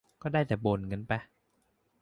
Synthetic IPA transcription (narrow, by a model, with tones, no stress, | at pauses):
kɔː˥˩daː˥˩jt̪ɛː˨˩boː˨˧˩nŋɤ˧˦npa˧˦